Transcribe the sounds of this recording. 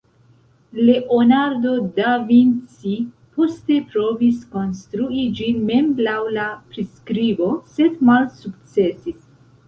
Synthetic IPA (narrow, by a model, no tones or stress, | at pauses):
le̞ʔonaɾdo̞davint͡si | po̞ste̞pɾo̞visko̞nstɾuid͡ʒinme̞mblawlapɾiskɾibo̞se̞dmalsukt͡se̞sis